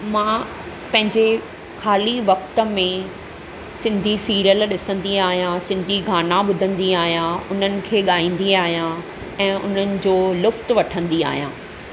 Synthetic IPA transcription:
mãː | pɐ̃ɦɪ̃ɲd͡ʑe | xaːliʋɐk̚t̪ə̆mẽ | sɪ̃nd̪ʱisiːɾjəlɗɪsə̃nd̪iaːɦijãsɪ̃nd̪ʱiɡʱaːnaɓʊd̪ʱə̃nd̪iaːɦijãʊn̤ənɪ̆kʰeːɠaːĩːn̆d̪iaːɦijã | ɛ̃ːʔʊ̰n̤ənɪ̆d͡ʑoːlʊft̪ʋɐʈʰə̃nd̪ia̰ːɦijã̰ː

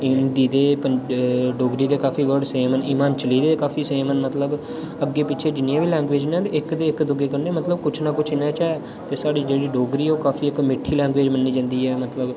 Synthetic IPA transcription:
ɪnd̪iːd̪eːpəɖoːɡɾiːd̪eːkaːfiːʋəɖseːməniːmaːnt͡ʃəliːd̪eːkaːfʰiːseːmənmət̪ləb | əɡːeːpɪʃʰeːd͡ʒɪnɪãːʋiːlɛ̃ːŋɡʋeːd͡ʒnẽːt̪eːɪkd̪eːɪkd̪ʊɡeːkəɾneːmət̪ləb̚kʊt͡ʃʰnaːkʊt͡ʃʰɪnãːt͡ʃɛː | t̪eːsaːɽiːd͡ʒeːɽiːɖoːɡɾiːoːkaːfiːɪkmɪʈʰːiːlɛ̃ːŋɡʋeːd͡ʒmənːiːd͡ʒãːnd̪iːɛːmət̪ləb

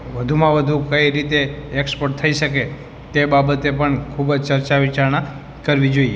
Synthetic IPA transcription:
ʋəd̪ʱumãʋəd̪ʱukəiɾit̪eːkspoɾʈ̚t̪ʰəiʃəke | t̪ebabət̪epəɳkʰubəd͡ʒt͡ʃəɾt͡ʃaʋit͡ʃaɾna | kəɾʋid͡ʒoie

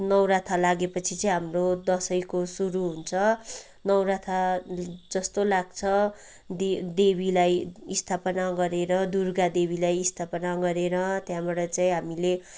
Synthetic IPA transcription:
nʌwɾat̪ʰalaɡepʌt͡sʰit͡sʌĩɦamrod̪ʌsʌjkosuɾuɦunt͡sʰʌ | nʌwɾat̪ʰa | d͡zʌst̪olaɡ̚t͡sʰʌ | d̪d̪ebilajist̪ʰapʌnaɡʌɾeɾʌd̪urɡad̪ebilajist̪ʰapʌnaɡʌɾeɾʌt̪jãbaɽʌt͡saĩɦamile

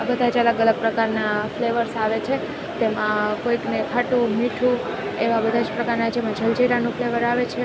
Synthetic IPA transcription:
abəd̪ʱad͡ʒələɡələɡ̚pɾəkaɾnafleʋəɾsaʋet͡ʃʰe | t̪emãkoiknekʰaʈumiʈʰu | eʋabəd̪ʱad͡ʒpɾəkaɾnad͡ʒemãd͡ʒəld͡ʒeɾanũfleʋəɾaʋet͡ʃʰe

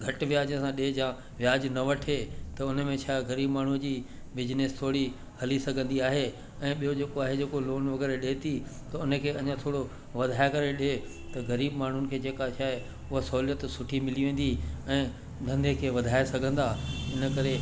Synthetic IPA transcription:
ɡʱɐʈʋjaːd͡ʑə̃sãɗed͡ʑãː | ʋjaːd͡ʑnɐʋɐʈʰeːt̪ɐʊnə̆mẽt͡ɕʰaːɣɐɾiːbmaːɳ̤ud͡ʑiː | bɪd͡ʑneːst̪ʰoːɽi | hɐlisɐɡʱə̃nd̪iaːɦe | ɛ̃ːɓijod͡ʑeːkoaːɦed͡ʑeːkoloːnʋɐɣɛːɾɗeːt̪it̪ɐʊnə̆kʰeːɐɲãt̪ʰoːɽo | ʋɐd̪ʱaːekɐɾeɗe | t̪ɐɣɐɾiːbmaːɳ̤ʊnɪ̆kʰeːd͡ʑeːkat͡ɕʰaːe | ʊɦasɐɦuljət̪sʊʈʰimɪliʋẽːn̆d̪iɛ̃ː | d̪ʱɐ̃nd̪ʱekʰeːʋɐd̪ʱaːesɐɡʱə̃nd̪aɪnə̆kɐɾe

